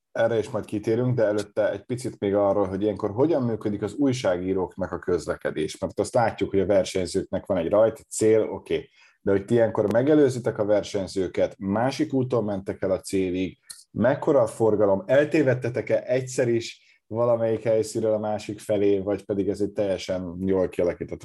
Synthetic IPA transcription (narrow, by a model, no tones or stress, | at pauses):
ɛrːɛiʃmɒjt̪kit̪eːɾyŋɡd̪ɛɛløt̪ːɛɛc̚pit̪sit̪meːɡɒrːolɦo̞ɟijɛŋko̞rɦo̞ɟɒmːyːkød̪ikɒzuːjʃaːɡiːɾoːknɛkɒkø̞zlɛkɛd̪eːʃmɛrt̪ɒst̪laːcːukho̞ɟɒvɛrʃɛɲzøːknɛkʋɒnɛɟrɒjt̪t̪seːlo̞̰keː | d̪̥ɛɦo̞c̚t̪iijɛŋko̞rmɛɡɛløːzit̪ɛkɒvɛrʃɛɲzøːkɛt̪maːʃikuːt̪olmɛnt̪ɛkɛlɒt̪seːliɡ | mɛkːo̞ɾɒfo̞rɡɒlo̞mɛlt̪eːvɛt̪ːɛt̪ɛkɛʔɛcsɛɾiʃ | vɒlɒmɛjikhɛjsiɾøːlɒmaːʃikfɛleːvɒcpɛd̪iɡɛzɛc̚t̪ɛjːɛʃɛnjoːlkiɒlɒkit̪ɛt̪ː